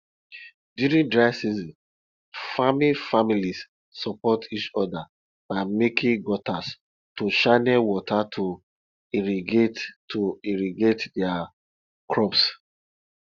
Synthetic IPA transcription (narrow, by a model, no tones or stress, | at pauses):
djuɹĩndɹaɪsizɔ̃n | famifamilis | sɔpɔtʰit͡ʃɔda | b̥aɪmekʰĩŋɡɔtas | toʃaɪnewɔtʰatʰo | iɾiɡettʰoiɹiɡetdɛa | kɹɔps